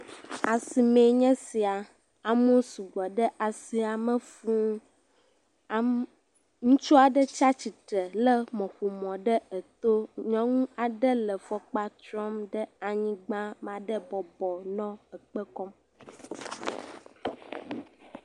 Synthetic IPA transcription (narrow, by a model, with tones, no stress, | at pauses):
a˨si˨mẽ˨ɲɛ̃˦si˨a˨ | a˨mo˦su˨ɡɔ˨ɖə˦ʔa˨si˨a˨mə̃˦fũ˦˨ | ŋũ˦t͡ʃu˦a˨ɖə˦t͡ʃa˦t͡ɕi˨t̪ɾə˨lə˦mɔ̃˨ɸu˨mɔ̃˨ɖə˦ə˨t̪o˦ɲɔ̃˦ŋũ˦a˨ɖə˦lə˨fɔ˦k͡pa˦t̪ɾɔ˦mɖə˦a˨ɲĩ˦ɡ͡bã˦m˨ã˨ɖə˦bɔ˨bɔ˨nɔ̃˦ə˨k͡pə˦kɔ˦m